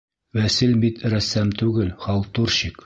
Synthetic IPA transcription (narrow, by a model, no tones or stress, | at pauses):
wæsilbit̪ɾæsːæmt̪ʉɡɘlχɑlˠt̪uɾɕik